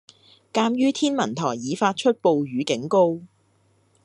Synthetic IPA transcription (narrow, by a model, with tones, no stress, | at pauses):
kaː˧mjyː˥t̪ʰiː˥nmɐ˨˩nt̪ʰɔː˨˩jːiː˨˧faː˧t̚t͡ʃʰɵ˥t̚po˨wɥyː˨kɪ˨˥ŋko˥w